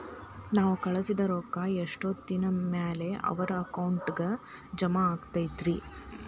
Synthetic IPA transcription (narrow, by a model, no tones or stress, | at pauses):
naːʋukɐɭɐsid̪ɐɾoːkaeʂʈot̪ːinɐmeːle̞ʔɐ̰ʋɐɾɐːkɐwɳʈɡɐd͡ʒɐmaːɡt̪ajid̪ɾi